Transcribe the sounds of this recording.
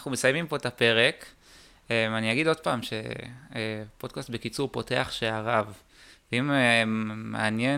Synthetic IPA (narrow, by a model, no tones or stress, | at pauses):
aχnumesajmimpo̞etape̞ʁe̞k | emaniaɡido̞d̚paːmʃe̞̰ | po̞d̚kast̪̚bekit͡suʁpo̞te̞aχʃeaʁav | veimː | a̰anje̞